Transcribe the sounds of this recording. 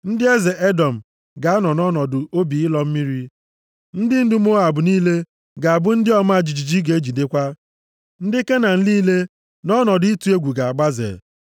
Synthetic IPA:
n̩˦dɪ˦e˦ze˨ʔe˦dɔ˨m̩˨ | ɡa˨˦a˦nɔ˨nɔ˦nɔ˨dʊ˨ʔo˦bi˨ɪ˦lɔ˨m̩˦mi˦ɾi˦ | n̩˦dɪ˦n̩˦dʊ˦m˦o˦a˨bʊ˨niː˦le˦ | ɡa˨a˨bʊ˦n̩˦dɪ˦ɔ˦ma˦a˨d͡ʒi˨d͡ʒi˨d͡ʒi˦ɡe˨e˦d͡ʒi˨de˦kʷa˦ | n̩˦dɪ˦ke˦na˨n̩˦liː˦le˦ | nɔ˦nɔ˨dʊ˦i˦tu˨e˦ɡʷu˨ɡa˨a˨ɡ͡ba˦zḛ˨

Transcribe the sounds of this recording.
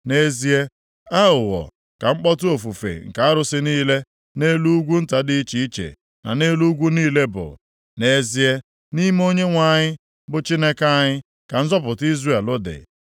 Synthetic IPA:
ne˦zi˦e˦ | a˦ʊ˨wɔ̰˨ | ka˨ŋ͡m̩˦k͡pɔ˦tʊ˦o˨fu˨fḛ˨ŋ̩˨ka˨a˦ɾʊ˨sɪ˦niː˦le˦ | ne˦lu˦u˦ɡʷu˦n̩˦ta˨dɪ˦i˦t͡ʃi˨i˦t͡ʃḛ˨ | na̰˨ne˦lu˦ɡʷu˦niː˦le˦bʊ̰˨ | ne˦zi˦e˦ | ni˦m˦o˦ɲe˦ŋʷa˦˨ɲɪ˦ | bʊ˨t͡ʃi˦ne˦ka˦ɲɪ˦ | ka˨n̩˦zɔ˦pʊ˨ti˦zre˦˨lʊ˦dɪ̰˨

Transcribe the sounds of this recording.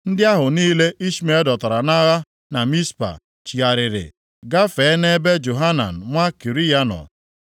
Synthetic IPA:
n̩˦dɪ˦a˦ɦʊ˨niː˦le˦ʔi˦ʃi˦me˦dɔ˨ta˨ɾa˨na˦ɣa˦ | na˨mi˦spa̰˨ | t͡ʃi˨a˨ɾɪ˨ɾɪ̰˨ | ɡa˦fe˨˦ne˦be˦d͡ʒo˨ɦa˦na̰˨n̩˨ŋʷa˦ki˨ɾi˦ja˦nɔ̰˨

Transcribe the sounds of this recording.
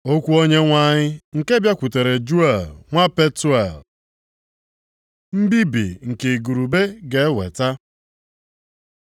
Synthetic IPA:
o˦kʷu˦o˦ɲe˦ŋʷa˦ɲɪ˦ŋ̩˨ke˦bja˦kʷu˨te˨ɾe˨d͡ʒu˦e˨lŋʷa˦pe˦tu˦e˨l | m̩˦bi˦bḭ˨ŋ̩˨ke˨ɡu˨ɾu˨be˦ɡe˨˦wḛ˨ta˦

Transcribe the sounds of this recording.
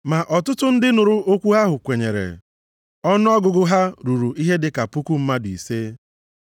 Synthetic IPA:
ma˨ʔɔ˨tʊ˦tʊ˦n̩˦dɪ˦nʊ˨ɾʊ˦ʔo˦kʷu˦ɦa˦ɦʊ˨kʷe˨ɲe˨ɾḛ˨ | ɔ˦nʊ˦ɔ˦ɡʊ˨ɡʊ˦ɦa˦ɾu˨ɾu˨ʔi˦ɦe˦dɪ˨ka˨pu˦ku˦m̩˦ma˦dʊ˨i˨seː˦

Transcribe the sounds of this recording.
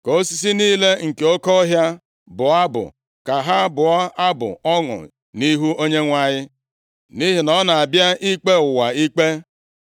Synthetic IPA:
ko˦si˦s̬i˦niː˦le˦ŋ̩˨ke˨o˦kɔ˦ɦja˦ | bʊ˨a˦bʊ̰˨ | ka˨ɦa˦bʊ˨ɔ˦a˦bʊ̰˨ɔ˦ŋʊ̰˨ | ni˦ɦu˦o˦ɲe˦ŋʷa˦ɲɪ˦ | ni˦ɦi˨nɔ˦na˨a˨bja˦ʔi˦k͡pe˦ʊ˨wa˨i˦k͡pe˦

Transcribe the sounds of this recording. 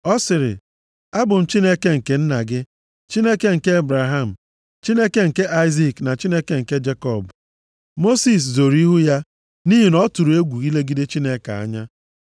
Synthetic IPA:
ɔ˦sɪ˨ɾɪ̰˨ | a˦bʊ˨n̩˨t͡ʃi˦ne˦ke˦ŋ̩˨ke˨n̩˦na˨ɡɪ˦ | t͡ʃi˦ne˦ke˦ŋ̩˨ke˦e˦bɾa˨ɦa˦˨m̩˨ | t͡ʃi˦ne˦ke˦ŋ̩˨ke˦ʔa˦ɪ˦zi˨kna˨t͡ʃi˦ne˦ke˦ŋ̩˨ke˦d͡ʒe˦kɔ˦˨bʊ˨ | mo˦si˦s̬zo˨ɾi˦ɦu˦ja˦ | ni˦ɦi˨nɔ˦tu˨ɾu˨e˦ɡʷu˨i˦le˦ɡi˦de˦t͡ʃi˦ne˦ka̰˨a̰˦ɲa˦

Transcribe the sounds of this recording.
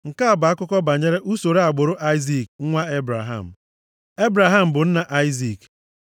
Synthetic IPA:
ŋ̩˨ka˦a˨ba˨a˦kʊ˦kɔ˦ba˨ɲe˦ɾe˦ʔu˦so˨ɾe˦a˨ɡ͡bʊ˨ɾʊ˦ʔa˦ɪ˦zi˦˨k̚ŋ˦ŋʷa˦e˦bɾa˨ɦa̰˨m̩˨ | e˦bɾa˨ɦa˦m̩˨bʊ˨n̩˦na˨ʔa˦ɪ˦zi˨k

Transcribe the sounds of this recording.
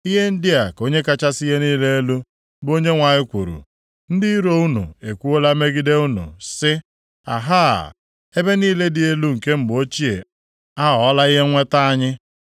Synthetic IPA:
i˦ɦe˦n̩˦dɪ˦a˨ko˦ɲe˦ka˦t͡ʃa˦si˦ɦe˦niː˦le˦e˦lu˦ | bo˦ɲe˦ŋʷa˨ɲɪ˦kʷu˨ɾṵ˨ | n̩˦dɪ˦i˦ɾo˦u˦nṵ˨e˨kʷu˦o˦la˦me˦ɡi˦de˦u˦nṵ˨sɪ˦ | a̰˨ɦaː˦˨ | e˦be˦niː˦le˦dɪ˨e˦lu˦ŋ̩˨ke˦m̩˨bo˦t͡ʃi˦ḛ˨ | a˦ɦɔ˨˦la˦i˦ɦe˦ŋʷe˦ta˦a˦ɲɪ˦

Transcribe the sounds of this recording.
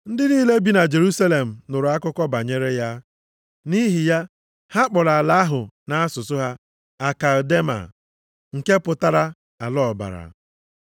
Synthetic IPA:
n̩˦dɪ˦niː˦le˦bi˨na˨d͡ʒe˨ɾu˦sa˦le˨m̩˨nʊ˨ɾʊ˨a˦kʊ˦kɔ˦ba˨ɲe˦ɾe˦ja˦ | ni˦ɦi˨ja˦ | ha˦k͡pɔ˨ɾa˨la˨a˦ɦʊ˨na˨a˦sʊ˨sʊ˦ɦa˦ | a˨ka˨de˦ma̰˨ | ŋ̩˨ke˦pʊ˨ta˦ɾa˦ | a˨lɔ˦˨ba̰˨ɾa̰˨

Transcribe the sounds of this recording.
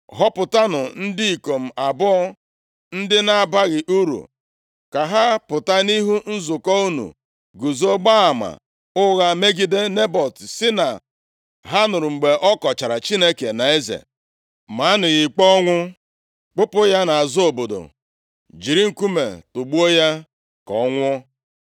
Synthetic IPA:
ɦɔ˦pʊ˨ta˦nʊ˨n̩˦dɪ˦i˨ko˨m̩˨a˨bɔ˦ɔ˦ | n̩˦dɪ˦na˦a˦˨ba˦ɣɪ˨ʔu˦ɾṵ˨ | ka˨ɦa˦pʊ˨ta˦ni˦ɦu˦n̩˦zʊ˨kɔ˦u˦nṵ˨ | ɡu˨zo˦ɡ͡ba˦a˨ma̰˨ | ʊ˦ɣa˦me˦ɡi˦de˦ne˦bɔ˨tsɪ˦na˨ | ɦa˦nʊ˨ɾʊ˨ŋ͡m̩˨ɡ͡be˨ʔɔ˦kɔ˨t͡ʃa˨ɾa˨t͡ʃi˦ne˦ke˨na˨e˦zḛ˨ | ma˨˦nʊ˨ɣɪ˨k͡pɔ˦ŋʷʊ˦ | k͡pʊ˦pʊ˦ja˦na˨a˨zʊ˦o˨bo˨do̰˨ | d͡ʒi˨ɾi˦ŋ̩˨ku˦mḛ˨tʊ˨ɡ͡bu˦o˦ja˦ | kɔ̰˦ŋʷʊ˦

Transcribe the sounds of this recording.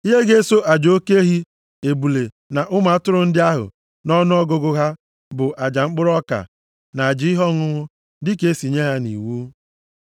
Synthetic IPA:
i˦ɦe˦ɡe˦so˦ʔa˨d͡ʒo˦ke˦ɦi˦ | e˨bu˨le˨ | na˨ʔʊ˦ma˨˦tʊ˦ɾʊ˦n̩˦dɪ˦a˦ɦʊ̰˨ | nɔ˦nʊ˦ɔ˦ɡʊ˦ɡʊ˦ɦa˦ | bʊ˨ʔa˨d͡ʒa˨ŋ͡m̩˦k͡pʊ˦ɾɔ˦ka̰˨ | na˨a˨d͡ʒɪ˦ɪ˦ɦɔ˦ŋʊ˦ŋʊ˦ | dɪ˦ke˦si˨ɲe˦ɦa˦nḭ˨wu˦

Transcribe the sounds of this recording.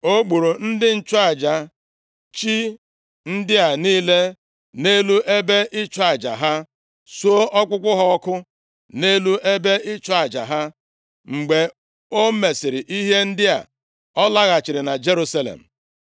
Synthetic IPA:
o˦ɡ͡bu˨ɾu˨n̩˦dɪ˦n̩˦t͡ʃʊ˦a˨d͡ʒa˨ | t͡ʃi˦ | n̩˦dɪ˦a˨niː˦le˦ | ne˦lu˦ʔe˦be˦ʔɪ˦t͡ʃa˨d͡ʒa̰˨ɦa˦ | su˦o˦ʔɔ˦k͡pʊ˦kʷʊ˦ɦɔ˦kʊ˦ | ne˦lu˦ʔe˦be˦ɪ˦t͡ʃʊ˦a˨d͡ʒa̰˨ɦa˦ | ŋ͡m̩˨ɡ͡be˨ | o˦me˨sɪ˨ɾɪ˨ʔi˦ɦe˦n̩˦dɪ˦a̰˨ | ɔ˦la˦ɣa˨t͡ʃɪ˨ɾɪ˨na˨d͡ʒe˦ɾu˦sa˦lḛ˨m̩˨

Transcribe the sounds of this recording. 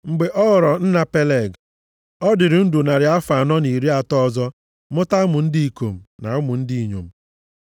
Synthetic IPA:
ŋ͡m̩˨ɡ͡be˨ʔɔ˦ɣʊ˨ɾɔ˨n̩˦na˨pe˦le˨ɡ | ɔ˦dɪ˨ɾɪ˨n̩˦du˨na˨ɾɪ˨a˦fa˨nɔ˦ni˨ɾi˦a˨tɔ˦˨zɔ˦ | mʊ˦ta˦mʊ˨n̩˦di˦i˨ko˨m̩˨na̰˨ʊ˦mʊ˨n̩˦di˦i˨ɲo̰˨m̩˦

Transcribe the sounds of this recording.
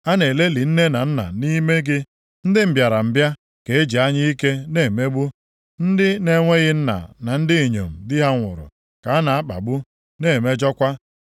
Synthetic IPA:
a˦ne˨le˦li˨n̩˦ne˦na˨n̩˦na̰˨ni˦me˦ɡɪ˦ | n̩˦dɪ˦m̩˨bja˨ɾa˨m̩˨bja˦ | ke˨e˦d͡ʒi˨a˦ɲɪ˦i˦ke˦ne˦˨me˦ɡ͡bu˦ | n̩˦dɪ˦ne˦ŋʷe˦ɣɪ˦n̩˦na̰˨na˨n̩˦dɪ˦e˨ɲo̰˨m̩˨dɪ˦ɦa˦ŋʷʊ̰˨ɾʊ̰˨ | ka˨a˦na˨a˦k͡pa̰˨ɡ͡bʊ˦ | ne˦˨me˦d͡ʒɔ˦kʷa˦

